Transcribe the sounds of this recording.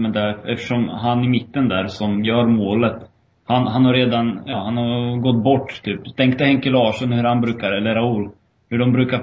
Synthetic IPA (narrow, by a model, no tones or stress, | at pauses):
mɛnd̪æɾɛft̪ə̥ʂɔmɦanɪmɪt̪ːənd̪æːɾsɔmjœːɾmoːlət̪ | hanɦanhaɾːeːd̪anjɑːhanhaɾɡɔt̪ːbɔʈːt̪ʰyːpt̪ʰɛŋkt̪əhɛŋkɛlɑːʂɔnhɵɾhanbɾʉ̟ːkaɾɛlːəɾaʊlː | hɵɖɔmbɾʉ̟ːka